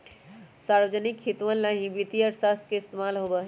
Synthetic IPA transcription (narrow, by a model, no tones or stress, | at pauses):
saɾbəd͡ʒənikhit̪ʋənlaɦĩbit̪iəɾsast̪ʰkeist̪emalɦobəɦ